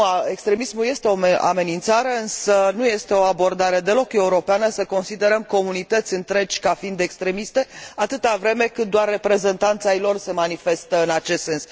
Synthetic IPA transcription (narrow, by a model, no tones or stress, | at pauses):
ae̞kst̪ɾe̞mismuje̞st̪e̞oa̰me̞nint̪saɾeɨnsənuje̞st̪e̞o̞abo̞rd̪aɾe̞d̪e̞lo̞ke̞uɾo̞peanəsəko̞nsid̪e̞ɾəmko̞munit̪ət̪sʲɨnt̪ɾe̞t͡ʃʲkafind̪e̞kst̪ɾe̞mist̪e̞at̪ɨt̪avɾe̞me̞kɨt̪̚d̪oarːe̞pɾe̞ze̞nt̪ant̪sajlo̞rse̞manife̞st̪əɨnat͡ʃe̞st̪se̞ns